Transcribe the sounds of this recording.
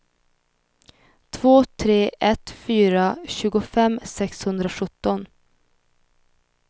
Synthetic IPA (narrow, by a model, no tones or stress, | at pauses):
t̪ʰvoːt̪ʰɾeːʔɛt̪fyːɾaɕʉ̟ːɡʊfɛmːsɛkshɵnd̪ɾaɧɵt̪ːɔn